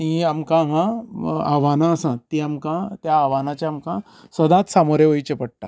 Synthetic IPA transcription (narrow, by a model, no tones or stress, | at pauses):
niamkãɦãa̰ʋanaəsãt̪ːiamkãt̪jaːʋanat͡ɕjaamkã | səd̪at̪samoɾjeʋəit͡ɕepəɽ̚ʈ̪a